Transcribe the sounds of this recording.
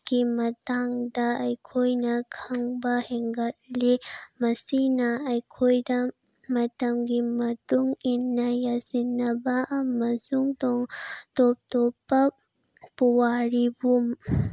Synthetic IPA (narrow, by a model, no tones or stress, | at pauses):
kimɐt̪aŋd̪aːjkʰojnakʰɐŋbaheŋɡɐtlimɐsinaːjkʰojda | mɐt̪ɐmɡimɐt̪uŋinːajasinːabaʔamɐsuŋt̪ɔŋt̪op̚t̪opɐ | pːuwaɾibum